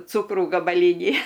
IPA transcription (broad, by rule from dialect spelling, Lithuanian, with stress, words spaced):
ˈt͡suːkruː ɡɐbɐˈlʲiːnʲiː